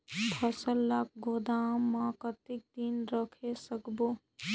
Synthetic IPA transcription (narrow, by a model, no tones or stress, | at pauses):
pʰəsəlːak̚ʰɡod̪amːakət̪ik̚d̪inɾəkʰesəkbo